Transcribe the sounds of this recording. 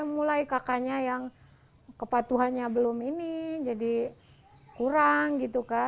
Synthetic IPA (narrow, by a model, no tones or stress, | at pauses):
mulajkakaɲajaŋ | kəpat̪uɦanɲabəlʊminid͡ʒadi | kuɾaŋɡit̪uka